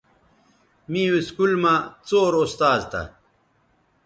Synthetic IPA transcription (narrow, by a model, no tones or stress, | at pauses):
mĩwiskulmat͡soːɾost̪aːzt̪a̰